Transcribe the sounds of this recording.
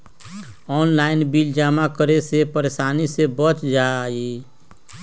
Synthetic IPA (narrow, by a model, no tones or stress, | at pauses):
ɔːnlaːɪnbild͡ʒaːmakəɾesepəɾeːsaːnisebət͡ʃd͡ʒaːi